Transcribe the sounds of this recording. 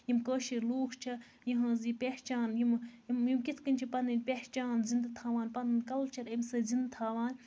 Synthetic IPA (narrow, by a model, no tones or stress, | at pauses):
jimkəːʃiɾluːkʰt͡ʃʰɐ | jiɦɐ̃ːzipʲeːht͡ʃaːnjimjimjimkit̪ʰkɐnʲt͡ʃʰipɐnɨnʲpʲeht͡ʃaːnzind̪t̪ʰaːʋaːnpɐnɨnkɐlt͡ʃʰɐɾɐmsɨzind̪t̪ʰaːʋaːn